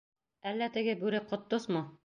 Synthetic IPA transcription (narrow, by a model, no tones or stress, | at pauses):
ælːæt̪ɘ̆ɡɘbʉɾɘqŏt̪ːosmɤ